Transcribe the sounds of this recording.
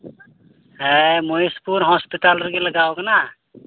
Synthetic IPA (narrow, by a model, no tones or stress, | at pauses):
ɦemoispuɾɦɔspiʈalɾkeləɡawkena